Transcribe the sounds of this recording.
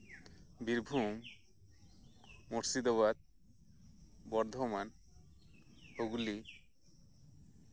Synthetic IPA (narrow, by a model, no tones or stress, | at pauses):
biɾbʱum | mɔɾsid̪ɔβad̪̚ | bɔɾd̪ʱɔman | hoɡuli